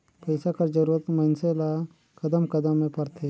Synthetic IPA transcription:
pɛːsakɐɾd͡ʒəɾuːɾət̪mɐnsela | kɐd̪əmkɐd̪əmːẽpɐɾt̪ʰe

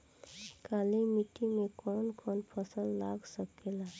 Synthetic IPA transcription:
kalimiʈimekɔnkʰɔnpʰəsəlːaɡsəkela

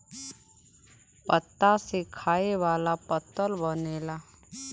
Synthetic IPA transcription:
pət̪ːasekʰaːeʋaːlapət̪ːəlbəneːla

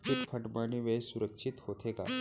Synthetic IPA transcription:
kip̪fʰəʈmaniʋesuɾəkʂit̪hot̪ʰeka̰

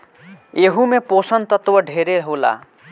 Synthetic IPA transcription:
eɦumeposʌnt̪ʌt̪wʌɖʱeɾeɾɦola̰

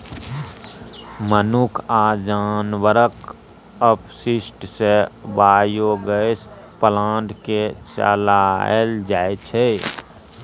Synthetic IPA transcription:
mənukʰaːd͡ʒaːnwəɾək | əpsɪsʈsebaːjoɡəs | pəlaːɖket͡ʃə̰lald͡ʒaːet͡ʃʰe

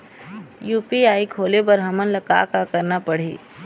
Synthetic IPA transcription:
juːpiaːikʰoːlebəɾɦɐmənləka̰ːkakɐɾnapɐɽ̤ḭː

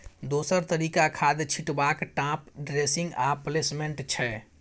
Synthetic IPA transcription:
d̪oːsəɾt̪əɾiːkakʰaːd̪t͡ʃʰiʈbakʈãːpɖɾesɪ̃ŋɡaplesmeɳʈt͡ʃʰɛ

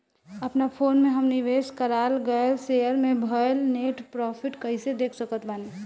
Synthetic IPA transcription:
əpnapʰoːnmẽɦəmniʋeskəɾalɡəlsejəɾmẽbʱəelneʈpɾɔpʰiʈkəɦɪsed̪eːkʰsəkət̪bani

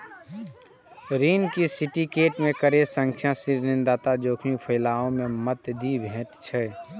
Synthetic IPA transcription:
ɾiːnkisiʈikeːʈmẽkəɾesə̃ŋkʰjãsiɾnɪnd̪aːt̪ad͡ʒoːkʰij̃pʰəɪlaːõmemət̪d̪ibʱẽːt̪t͡ʃʰɛ

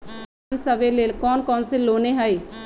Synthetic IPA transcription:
nsəʋeleːlkɔːnkɔːnseloːneɦəeː

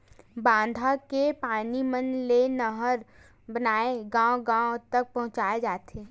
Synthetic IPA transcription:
bãːnd̪ʱakepaːnimənlenəɦəɾ | bənaːeɡãːwɡãːt̪ɐk̚pɐɦʊ̃t͡ʃaːed͡ʒaːt̪eː

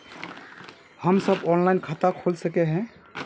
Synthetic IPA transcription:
həmsəbɔnlajnkʰat̪akʰolsəkɛɦɛ̃

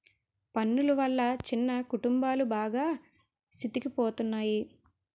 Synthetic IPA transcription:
pɐnːuluʋɐlːɐt͡ʃinːɐkuʈumbaːlubaːɡaː | sit̪ikipoːt̪unːaːji

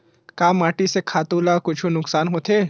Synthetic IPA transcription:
kaːmaːʈisekʰaːt̪uːlakʊt͡ʃʰunʊksaːnɦoːt̪ʰeː

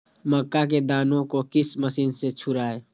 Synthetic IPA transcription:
məkːak̬ed̪aːnõkokɪsməsiːnset͡ʃʰʊɾaːe

